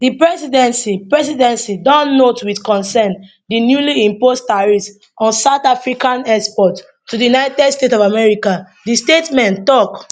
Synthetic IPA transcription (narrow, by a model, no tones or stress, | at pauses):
dipɹɛsidɛ̃nsipɹɛs̬idɛ̃nsidɔ̃nːotwidkɔ̃nsɛ̃n | dinjuliĩmposttaɹis | ɔ̃nsaʊtafɹikãnɛspɔtː | udijunaɪtɛdstetɔvamɛɹika | distetmɛ̃ntɔk